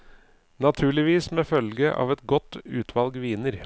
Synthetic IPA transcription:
nɑt̪ʰʉːɭɪʋiːsmeːfœlɡəʔɑ̰ːʋɛt̪ɡɔt̪ːʉːt̪ʰʋɑlɡʋiːnəɾ

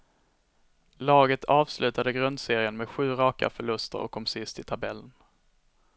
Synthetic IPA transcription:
lɑːɡət̪ʰɑːvslʔʉ̟ːt̪ad̪əɡɾɵnd̪seːɾɪənmɛd̪ɧʉ̟ːɾɑːka̰fœɭɵst̪ə̰ɾɔ̰kʰːɔmsɪst̪ʰɪt̪ʰabɛlːən

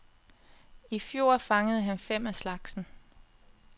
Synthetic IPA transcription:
ifjo̝ːɐ̰fɑ̈ŋəð̞̩ˠɦænfem̰æslɑ̈ɡ̥sn̩

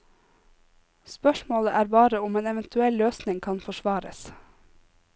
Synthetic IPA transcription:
spœʃmoːləʔæːɾbɑːɾəʊmeːnɛʋɛnt̪ʰʉɛlløːsnɪŋkʰɑnfɔʃʋɑːɾə̰s

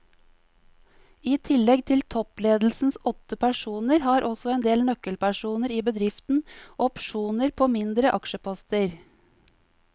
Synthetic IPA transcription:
iːt̪ʰɪlɛɡt̪ʰɪlt̪ʰɔpleːd̪l̩sn̩sɔt̪əpʰæʂuːnəɾhɑːɾʔɔsɔeːnd̪eːlnœkəlpʰæʂuːnəɾiːbəd̪ɾɪft̪n̩ʔɔpʃuːnəɾpʰoːmɪnd̪ɾəʔɑkʃəpʰɔst̪əɾ

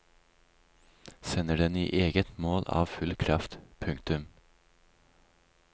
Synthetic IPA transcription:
sɛnəɖɛnḭːʔeːɡət̪moːlɑ̰ːʋfʉlkʰɾɑft̪pʰʉŋkt̪ʉm

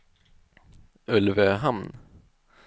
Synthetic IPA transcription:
ɵlvəɦamn

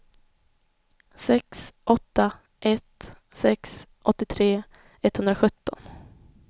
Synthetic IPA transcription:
sɛksʔɔt̪ːa | ʔɛt̪ | sɛksʔɔt̪ːɪt̪ʰɾeː | ɛt̪hɵnd̪ɾaɧɵt̪ːɔ̰n

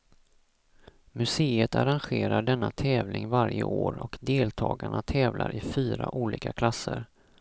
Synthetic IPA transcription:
mɵseːət̪aɾanɧeːɾaɖɛnːat̪ʰɛːvlɪŋvaɾjəʔoːɾɔkd̪eːlt̪ʰɑːɡaɳat̪ʰɛːvlʔaɾɪfyːɾaʔuːliːkakʰlasːəɾ

